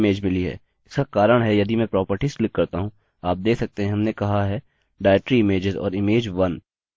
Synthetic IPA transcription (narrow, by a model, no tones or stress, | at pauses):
eːd͡ʒmɪliɦɛ̰ː | ɪskakaːɾəɽ̃ɦɛjɐd̪ʱimɛ̃pɾɔːpəɾʈisklɪkːɐɾt̪aɦũ | aːp̚d̪eːkʰsɐk̚t̪eɦɛ̃ɦɐmnekɐɦaɦɛ | ɖaːɪʈɾiɪmeːd͡ʒɪzɔ̰ːɾɪmeːd͡ʒʋɐn